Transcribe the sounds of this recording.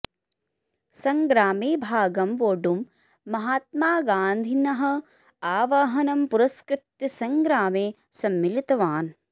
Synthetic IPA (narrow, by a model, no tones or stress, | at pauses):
sɐŋɡɾaːmeːbʱaːɡɐmʋoːɖumː | ɐɦaːt̪̚maːɡaːnd̪ʱinɐɦɐ̆ | aːʋɐɦɐnɐmpuɾɐskɾɪt̪jɐsɐŋɡɾaːmeː | sɐmːilit̪ɐʋaːn